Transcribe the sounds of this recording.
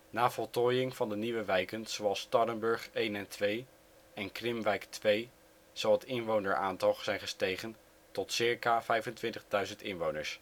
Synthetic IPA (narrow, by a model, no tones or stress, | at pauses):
naːvɔlˠtɔːjɪŋvɑndəniʋəʋɛjkənzowɑlˠstɑɾəmbɵɹχejnɛntʰʋej | ɛnkrɪmʋɛjktʋej | z̥ɑlˠətɪnʋownəɹʔaːntɑlˠχsɛjnχəstejχən | tɔtsɪɹkavɛjfəntʋɪntəχdœɥzəntɪ̰nʋownəɹs